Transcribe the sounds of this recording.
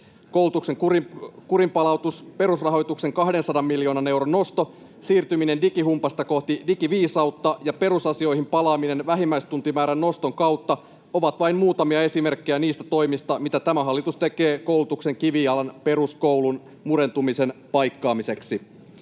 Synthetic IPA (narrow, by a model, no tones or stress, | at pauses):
kowlut̪ukseŋkurkuɾimpɑlɑwt̪uspe̞ɾusrɑɦo̞jt̪ukse̞ŋkɑhde̞nsɑdɑmːiljo̞ːnɑne̞wɾonːo̞st̪o̞ | siːrt̪ymine̞ndikiɦumpɑst̪ɑko̞ht̪idikiʋiːsɑwt̪ːɑjɑpe̞ɾusɑsio̞jɦimpɑlɑːmine̞nʋæɦimːæjst̪unt̪imæːɾænːo̞st̪o̞ŋkɑwt̪ːɑ | o̞ʋɑt̪ʋɑimmuːt̪ɑmiɑe̞sime̞rkːejæniːst̪æt̪o̞jmist̪ɑmit̪æt̪æmæɦɑlːit̪ust̪e̞ke̞ːko̞wlut̪ukse̞ŋkiʋiɑlɑnpe̞ɾuskowlun | muɾe̞nt̪umise̞npɑjkːɑːmise̞ksi